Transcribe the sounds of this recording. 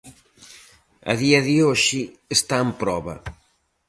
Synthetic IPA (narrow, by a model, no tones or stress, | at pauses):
ɐ̰ðiɐðioʃi | est̪aempɾɔβɐ